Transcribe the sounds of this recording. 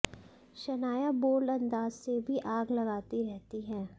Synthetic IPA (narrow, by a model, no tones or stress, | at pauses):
ʃɐnaːjaboːlɐ̃nd̪aːzsebʱiʔaːɡlɐɡaːt̪iɾɛɦt̪iɦɛ̃ː